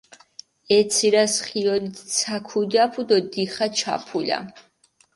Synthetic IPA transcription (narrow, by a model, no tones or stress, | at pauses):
ɛt̪sʰiɾasχiɔlit̪ʰsʰakʰud̪iapʰud̪ɔd̪iχat͡ʃʰa̰pʰula̰